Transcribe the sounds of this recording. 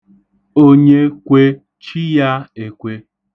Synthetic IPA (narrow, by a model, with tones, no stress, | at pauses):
o˦ɲe˦kʷe˦ | t͡ʃi˦ja˦e˨kʷe˦